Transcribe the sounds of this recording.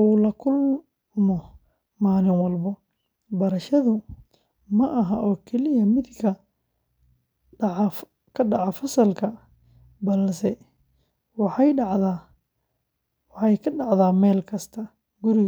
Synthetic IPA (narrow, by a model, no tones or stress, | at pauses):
uːlɐkʰʊl | mɔ | maːlɪnwɐlbɔ | bɐɾɐʃɐðʊ | mɐʔɐɦɐʔɔːkʰɛlɪjɐmɪd̪kʰɐ | kʰɐɖɑʕɑfɐsɐlkʰɐ | bɐlsɛ | wɑħɑjɖɑʕða | wɑħɑjkʰɐɖɑʕðaːmɛːlkʰɐst̪ʰɐ | ɡʊɾɪ